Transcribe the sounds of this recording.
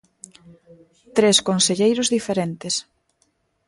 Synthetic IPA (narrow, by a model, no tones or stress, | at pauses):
t̪ɾeskonseʎejɾʊzðifeɾent̪ɪs